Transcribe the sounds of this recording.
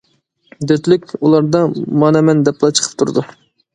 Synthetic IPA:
d̪ɛt̪lɪkʲulˠɑɾd̪ɑmɑːnɑmɛnd̪ɛplˠɑt͡ʃʰə̥qʰə̥p̚t̪ʰuɾɨd̪u

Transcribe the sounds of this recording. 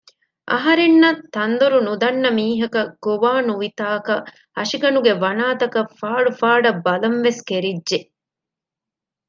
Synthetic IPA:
ʔɐ̰ɦɐɾenːɐt̪ːɐnd̪oɾunud̪ɐnːɐmiːɦɐkɐɡ̥oʋaːnuʋit̪aːkɐ | ɐʂiɡɐnuɡeʋɐnaːt̪ɐkɐfaːɭufaːɖɐbːɐlɐnʋeskeɾidʒe

